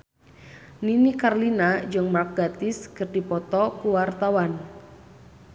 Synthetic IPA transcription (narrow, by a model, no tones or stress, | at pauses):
ninikarlinad͡ʒəŋmak̚ɡ̥at̪ɪskɨrd̥i̤pɔt̪ɔkuwart̪awan